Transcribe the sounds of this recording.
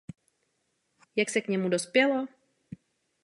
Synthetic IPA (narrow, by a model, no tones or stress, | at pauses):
jaksɛkɲɛmudo̞spjɛlo